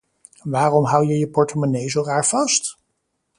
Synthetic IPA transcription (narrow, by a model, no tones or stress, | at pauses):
ʋaːrɔmɦʌwjəjəpɔɹtəmonejzowraːɹv̥ɑst